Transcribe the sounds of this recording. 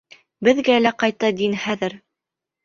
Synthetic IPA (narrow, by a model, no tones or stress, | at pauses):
bɘ̆ðɡælæqɑjt̪ɑd̪inχæðɘɾ